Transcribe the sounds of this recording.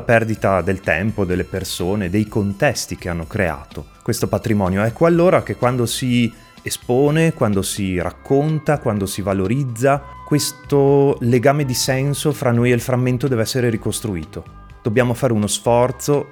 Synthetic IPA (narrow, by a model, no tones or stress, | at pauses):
apɛrd̪it̪ad̪elt̪ɛ̰mpod̪elːepersoːned̪ejkont̪ɛst̪ikeanːokɾea̰ːt̪okwest̪opat̪ɾimɔːnjoɛkːoalːoːɾak̟ekwand̪osi | espoːnekwand̪osira̰kːont̪akwand̪osivaloɾid̪zːakwest̪oleɡaːmed̪isɛnsofɾanːojelfɾamːent̪od̪ɛːveɛsːeɾeɾikost̪ɾuiːt̪o | d̪̥objaːmofaːɾeunosfɔrt̪so